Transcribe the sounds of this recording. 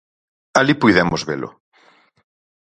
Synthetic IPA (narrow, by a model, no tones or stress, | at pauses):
alipujðɛmozβelʊ̰